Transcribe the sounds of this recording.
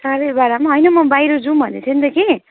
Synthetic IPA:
saɾʌjbaɾamaɦʌjnʌmʌbajɾʌd͡zũbʱʌnetʰʌnt̪ʌke

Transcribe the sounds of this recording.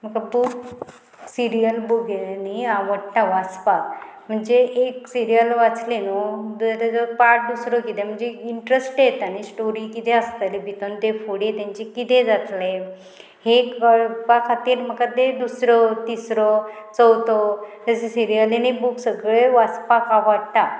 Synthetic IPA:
m̤əkabuk | siɾijəlboɡniaʋəʈʈãʋat͡spa | m̤əɳd͡zeeksiɾijəlʋat͡slenod̪t̪əpaʈ̚d̪usɾɔkit̪ẽm̤əɳd͡zeiɳʈɾesʈjet̪añisʈoɾikit̪ẽəst̪alibit̪ɔnt̪efoɽet̪ãɲt͡ɕekit̪ẽd͡zat̪le | hekəɭpakʰat̪iːɾm̤əkat̪ed̪usɾɔt̪isɾɔt͡səwt̪ɔt̪əsesiɾijəlenibuksəɡɭeʋat͡spakaʋəɽt̪a

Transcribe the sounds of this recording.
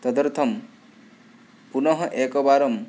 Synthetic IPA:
t̪ɔd̪ʌɾt̪ʰʌm | punɔɦɔʔekɔbaɾɔm

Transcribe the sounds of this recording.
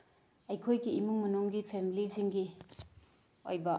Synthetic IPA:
ɐjkʰojɡiːmuŋmɐnuŋɡipʰemiliziŋɡi | o̰jbɐ

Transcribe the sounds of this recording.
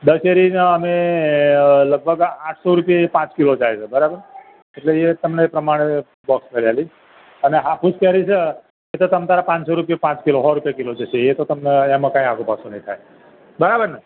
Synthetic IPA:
d̪əseɾinaəme | ləɡ̚bʱəɡãʈʰsoɾupijeepãt͡ʃkilod͡ʒajt͡ʃʰebəɾabəɾ | eʈleet̪əmnepɾəmaɽ̃e | bɔkskəɾijali | əneɦapuskɛɾit͡ʃʰe | et̪ot̪əmt̪aɾapãt͡ʃsoɾupijepãt͡ʃkiloɦɔɾupjakilod͡ʒəʃeet̪ot̪əmneemə̃kãĩaɡõpasũnə̃ĩt̪ʰaje | bəɾabəɾna

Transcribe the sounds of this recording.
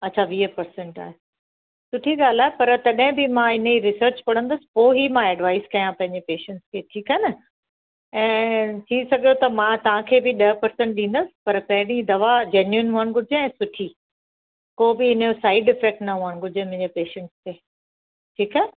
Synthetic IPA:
ɐtːɕʰaʋiːəpɐɾsẽɳʈa̰ːɦe | sʊʈʰiɠaːl̤aːɦepɐɾt̪ɐɗɦɪ̃bɪmãɪniɾɪsəɾt͡ɕpɐɽ̤ə̃nd̪əsɪ̥̆poːɦimãɛːɖʋaːɪskɐjãpɐ̃ɦɪ̃ɲd͡ʑepeːʃə̃ɳʈskʰeːʈʰiːkaːɦenɐ | ɛ̃ːt̪ʰĩsɐɡʱjot̪ɐmãt̪ɐʋ̤ãkʰeːbɪɗɐɦpɐɾsɛ̃ɳʈ̚ɗĩːn̆d̪əsɪ̥̆pɐɾpɐ̃ɦɪ̃ɽ̃id̪ɐʋad͡ʑeːnjuɪnɦuənɪ̆ɡʊd͡ʑeɛ̃ːsʊʈʰi | koːbɪɪnjosaːɪɖɪfek̚ʈnɐɦuəñɡʱʊd͡ʑemɐ̃ɦɪ̃ɲd͡ʑepeːʃə̃ɳʈst̪eː | ʈʰiːkaɦ

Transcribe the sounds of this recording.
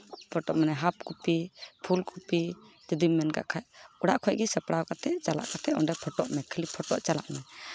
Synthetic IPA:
pʰɔʈɔʔmanɛɦap̚kupipʰulkʰupi | d͡ʒud̪immːɛnka̰ʔkʰajʔuɽaʔkʰɔjɡisɛpɽawkat̪ʰɛʔt͡ʃala̰ʔkat̪ʰɛɔnɖɛpʰɔʈɔʔmɛkʰəlipʰɔʈɔʔt͡ʃala̰ʔmɛ

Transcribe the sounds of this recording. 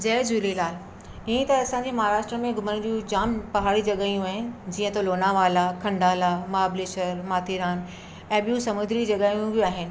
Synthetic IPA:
d͡ʑɛːd͡ʑulelaːl | ɪɦə̃t̪ɐɐsãɲd͡ʑemɐɦaːɾaːʃʈɾəmẽɡʊməñd͡ʑijũd͡ʑaːmpɐɦaːɽid͡ʑɐɠaːijũaːɦɪnɪ̆d͡ʑiːə̃t̪oloːnaʋaːlakʰɐ̃ɳɖaːlamaːbleːʃəɾmaːt̪ʰiɾaːn | ɛ̃ːɓijũsɐmʊ̃nd̪ʱɾid͡ʑɐɠaːijũʋioaːɦɪnɪ̆

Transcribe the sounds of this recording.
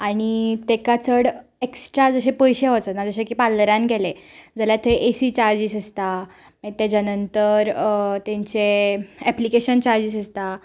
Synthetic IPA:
aɽ̃it̪ekat͡səɽeksʈɾad͡zəɕepəjɕeʋət͡sənad͡zəɕẽkipalːəɾjãnɡɛled͡zəljat̪ʰoeʔesit͡ɕaɾd͡ʑisəst̪a | mət̪ɛd͡ʑanənt̪əɾt̪ẽɲt͡seɛplikeɕənt͡ɕaɾd͡ʑiːsəst̪a

